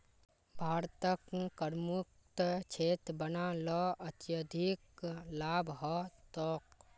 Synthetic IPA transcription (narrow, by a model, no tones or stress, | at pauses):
bʱaːɾt̪əkkəɾmuk̚ | t̪t͡ʃʰet̪bənalɔət̪jəd̪ʱiklabʱɦɔt̪ɔk